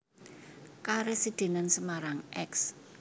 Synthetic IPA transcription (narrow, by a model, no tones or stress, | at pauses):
kaɾesid̪̥e̤nansəmaɾaŋɛks